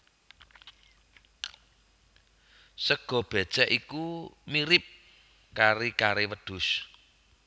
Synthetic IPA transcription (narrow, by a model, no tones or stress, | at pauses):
səɡ̥ɔ̤b̥ɛ̤̥t͡ʃɛʔikumiɾɪp̚ | kaɾikaɾewəd̪̥ʊs